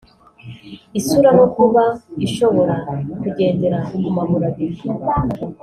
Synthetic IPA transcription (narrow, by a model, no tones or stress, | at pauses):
isuɾamokuβaiʃo̞βo̞ɾakuɟe̞ːnde̞ɾaumumaβuɾaβiɾi